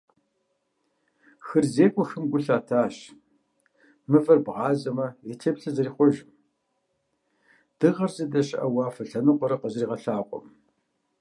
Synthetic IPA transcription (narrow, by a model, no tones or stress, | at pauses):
xɨrzeːkʷʼɔxɨmɡʷʊɬaːtʰaːɕ | mɨvɐrbʁɑːzɐmɐetʰepɬɨzɐriːχʷɔʒm | d̥ɨʁɐrzɐdɐɕɪʔɐwɑːfɐɬɐnɨqʷʼɔɾɐqəzriːʁɐɬaːqʷʼɔ̰m